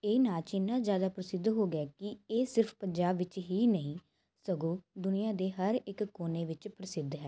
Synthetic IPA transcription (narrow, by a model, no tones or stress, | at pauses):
eːnaːt͡ʃɪnːãːzjaːd̪aːpɾəsɪd̪ɦoːɡaːkɪeːsɪɾpʰpəɲd͡ʒaːbʋɪt͡ʃɦiːnəɦĩː | səɡõːd̪ʊnijãːd̪eːɦəɾɪkkːoːneːʋɪt͡ʃpɾəsɪd̪ɦɛː